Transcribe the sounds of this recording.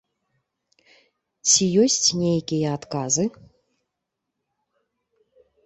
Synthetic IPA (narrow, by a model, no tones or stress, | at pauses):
t͡sʲijosʲtʲnʲejkʲijɛat̪kazɨ